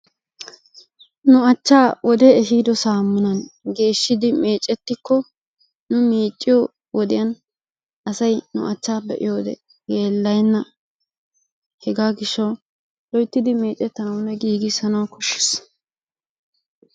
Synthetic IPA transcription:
nʊɐt͡ʃːaːwɔd̪ɛɛɦiːd̪ɔsaːmːʊnɐnɡe̞ːʃːɪd̪ɪme̞ːt͡ʃʼːɛt̪ːɪkːɔ | nʊmiːt͡ʃʼːɪjo | wɔd̪ɪjɐn | ʔɐsɐjnʊ̰ʔɐt͡ʃːaːbɛʔɪ̰jo̞ːd̪ɛ̰ | jeːlːɐjnːɐ | hɛɡaːɡɪʃːɐw | lɔjt̪ːɪd̪ɪme̞ːt͡ʃʼːɛt̪ːɐnɐwnɛɡiːɡɪsɐnɐwkɔʃːɪ̥s

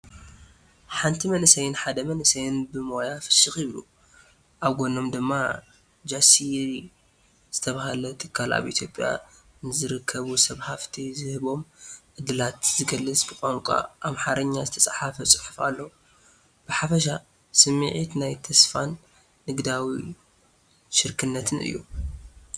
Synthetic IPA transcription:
ħant̪ʰimɐnɨsɐjɪnħad̪ɐmɐnɨsɐjɪnbɨmo̞jafɨ̥ʃɨxjɪβlṵ | ʔaβɡo̞no̞md̪ɨmːa | d͡ʒasi | z̥ɨt̪ʰɐβahalɐt̪ʰɨkʰːala̰βʔḭt̪ʰjopʼja̰ | nɨzɨɾɨkʰːɐβusɐβhaft̪ʰizɨhɨβo̞mʕɨd̪ɨlat̪zɨɡɐlːɨsʼbɨkʼaŋkʷʼa̰ʔamħaɾɐɲːazɨt̪ʰɐsʼħafɐt͡sʼɨ̥ħɨfa̰lːɐwu | b̥ɨħafɐʃa | sɨmːɨʕit̪najt̪ʰɐsfanː | ɨɡd̪awi | ʃɨɾkʰɨnːɐt̪ʰɨnʔɨ̰jːṵ

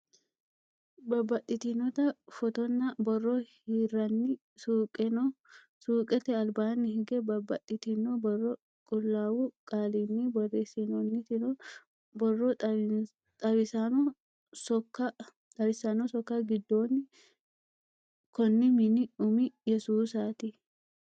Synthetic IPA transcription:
bɐbɐʔɪt̪ɪnɔt̪ɐfɔt̪ɔnːɐbɔrːɔhirɐnːɪ | suːkʼɛnɔ | suːkʼɛt̪ɛɐlbaːnːɪhɪɡɛbɐbɐtːɪt̪ɪnːobɔrːɔ | kʼʊlːaːwukʼaːlinːibɐreːsinɔnːɪt̪ɪnɔ | bɔrːɔ | t̪ʼɐbɪsanɔ | sɔkːɐ | t̪ʼɐbɪsanɔsɔkːaɡɪd̪ːo̞ːnːɪ | kɔnːɪmɪnɪʊmɪjɛsuːsaːt̪ɪ

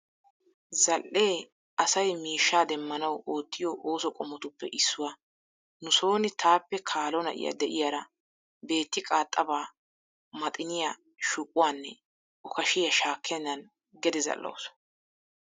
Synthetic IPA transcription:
zɐlʔʔeː | ʔɐsɐjmiːʃːaːd̪ɛmːɐnɐwoːt̪ːɪjɔʔo̞ːsɔkʼɔmɔt̪ʊpːɛʔɪsːʊwa | nʊso̞ːnɪt̪ʰaːpːɛkʰaːlɔnɐ̰ʔɪ̰ja̰d̪ɛʔɪ̰jaɾɐ | be̞ːt̪ːɪkʼaːt̪ʼːɐbaː | mɐt̪ʼɪnɪja | ʃʊkʼːʊwaːnːɛ̰ | ʊkɐʃɪjɐʃaːkʰːɛnːɐn | ɡɛd̪ɪzɐ̰lːo̰ws

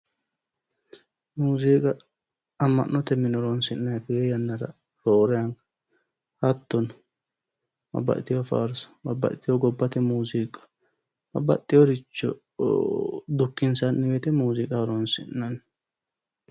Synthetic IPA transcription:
muːzikʼɐː | mːɐ̰ʔnːɔt̪ɛmːɪnɔɾonsɪnːɐjfɪejɐnːɐɾɐ̰ | ɾoːɾɛɐŋkɐ | hɐt̪ːɔn | mɐ̰bːɐ̰ʔt̪ːɪjɔfa̰ːɾsɐ̥bɐbːɐ̰ʔt̪ːɪjɔɡɔbːɐt̪ɛmuːzikʼɐ̥ | b̥ɐ̰bːɐ̰t̪ʼːɪjɔɾɪt͡ʃːɔ̰ | d̪ʊkːɪnsanːɪwet̪ɛmuːzɪkʼaːɾonsɪ̰nːɐn

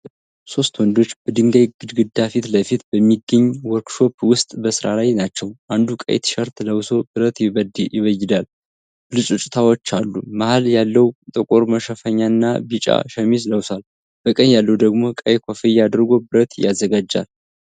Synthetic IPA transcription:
so̞st̪wɔnd̪o̞t͡ʃːbəd̪ɨŋɡajɡɨd̪ɡɨd̪afit̪ləfit̪bəmːiɡːəɲːwɔɾkʃo̞pwʊst̪ʼbəsɨɾalajnat͡ʃːɛwʔand̪ukʼə̰jt̪ʃəɾt̪ləwso̞bɨɾət̪d̪jɪβəjːɪd̪al | b̥ɨlɨt͡ʃʼut͡ʃʼɪt̪ʰawɔt͡ʃːalːumahaljalːəwt̪ʼɨkʼoɾməʃəfəɲːanːabit͡ʃʼa̰ʃəmisləwsal | b̥əkʼənjalːəwd̪əɡmo̞kʼəjkʰʷofəjad̪ɾɡo̞bɨɾət̪jazːəɡad͡ʒːa̰l

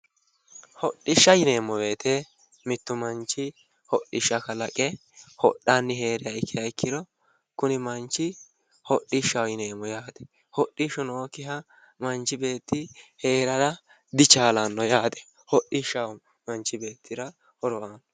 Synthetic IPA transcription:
hɔɗːɪʃːɐjɪne̞ːmːɔbe̞ːt̪ʰɛ | mɪt̪ːʊmɐnt͡ʃːɪ | hɔɗɪʃɐkɐlɐkʼɛ | hɔ̰ɗːanːɪhe̞ːɾɪjɐɪkʰːɪjɐɪkʰːɪd̪ɔ | kʊnɪmɐnt͡ʃːɪ | hɔɗːɪʃɐwjɪneːmːɔjaːd̪̥ɛ̥ | hɔɗːɪʃɔnɔɔkːɪɦɐ | mɐnt͡ʃːɪbe̞ːt̪ːɪheːɾɐɾɐ | d̪ɪt͡ʃaːlɐnːɔjaːd̪ɛ̥ | hɔɗːɪʃɐw | mɐnt͡ʃːɪbe̞ːt̪ʰːɪɾɐ | hɔɾɔʔaːnɔ

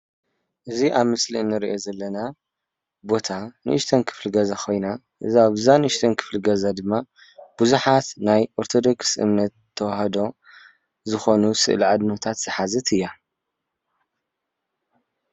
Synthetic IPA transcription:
ʔɨziʔaβmɨslinːɨɾiʔo̞zɐlːɐna | bo̞t̪ʰanɨ̰ʔɨʃt̪ʰɐnkʰɨ̥fliɡɐzakʰo̞jna | ʔɨzaβzanɨɨʃt̪ʰɐnkʰɨ̥flɨɡɐzad̪ɨmːa | b̥uzuħat̪najʔoɾt̪ʰo̞d̪o̞ksʔɨ̰mnɐt̪ʰːɐwahɐd̪o̞ | zɨxo̞nusɨ̰ʔlʕad̪not̪ʰat̪z̥ɨħazɨt̪ʰɨjːa

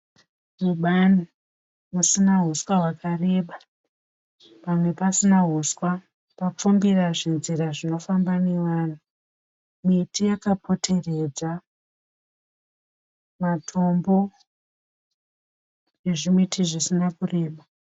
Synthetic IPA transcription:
muɓani | musinaɦuswaɦwakare̞ːɓa | pamwe̞pasinaɦuswa | pap͡fumbiraʐinziɾaʐino̞fambane̞ʋaːn̤u | mitijakapʰo̞tʰe̞re̞d͡za | matʰo̞mbo̞ | jeʐimitʰiʐisinakure̞ːɓa

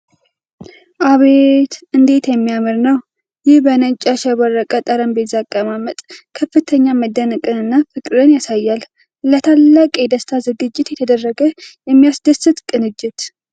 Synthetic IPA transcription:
ʔaβet̪ʔɨnd̪e̞t̪jɛmːijamɨɾnəw | jɪhbənət͡ʃʼːaʃɛβɔrːəkʼət̪ʼəɾəmbezakʼːəmamət̪ʼkʰəfːɨt̪ʰəɲːaməd̪ːənəkʼɨnɨnːafɨkʼɾɨnjasajːal | lət̪ʰalːakʼɛd̪əst̪ʰazɨɡɨd͡ʒːɪt̪jɛt̪ʰəd̪ərːəɡəjɛmːijasd̪əsɨt̪kʼɨnɨd͡ʒːɪt̪

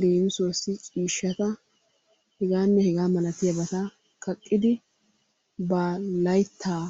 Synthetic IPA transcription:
ɾeːnsosːɪt͡ʃʼiːʃːɐt̪ɐ | hɛɡaːnːɛhɛɡaːmɐlɐt̪ɪjɐbɐt̪ɐ | kɐkʼːɪd̪ɪ | baːlɐjt̪ʰːaː

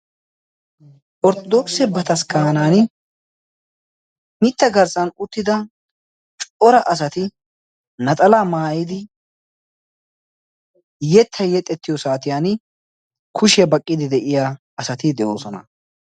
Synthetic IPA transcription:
ʔɔɾt̪ɔd̪ɔksɛbɐt̪ɐskaːnaːn | mɪt̪ːɐɡɐɾsɐnʊt̪ːɪd̪ɐ | t͡ʃʼɔɾɐʔɐs̬ɐt̪ɪ | nɐt̪ʼɐlamaːjɪd̪ɪ | jɛt̪ʰːɐjɛt̪ʼːɛt̪ːɪjɔsaːt̪ɪjaːn | kʰʊʃɪjɐbɐkʼːɪd̪ɪd̪ɛʔɪja | ɐsɐt̪ɪd̪ɛʔoːsɔnɐ̰

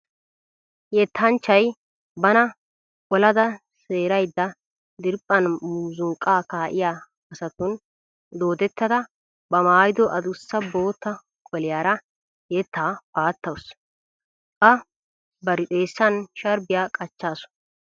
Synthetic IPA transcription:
jɛt̪ʰːɐnt͡ʃːɐj | bɐnɐ | ɔlɐd̪ɐ | seːɾɐjd̪ːɐ | d̪ɪɾpʼːɐnmuːzʊŋkʼːaːkaːʔɪjaː | ɐsɐt̪ʊn | d̪oːd̪ɛt̪ːɐd̪ɐ | bɐmaːjɪd̪ɔʔɐd̪ʊsːɐbo̞ːt̪ːɐ | kʼɔlɪjaːɾɐ | jɛt̪ːaːpaːt̪ːɐws | kɐ | bɐɾɪt̪ʼe̞ːsːɐnʃɐɾbɪjaːkʼɐt͡ʃːaːsʊ̥n

